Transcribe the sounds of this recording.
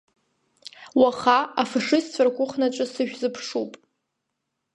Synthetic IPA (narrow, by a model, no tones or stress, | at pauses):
waχaafaʂɨzt͡ɕʷʰarkʷʊχnat͡ʃʷʼɨsɨʒᶣzɨpʰʂupʼ